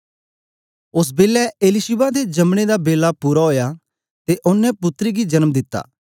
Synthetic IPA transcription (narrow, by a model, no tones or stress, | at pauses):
ʊs̬beːlɛʔeːlɪʃɪbad̪ed͡ʒɐmɽ̃ed̪abeːlapuːɾaɦoːja | t̪eʔʊnːɛ̃pʊt̪ːɾiɡid͡ʒɐnmd̪ɪt̪ːa̰ː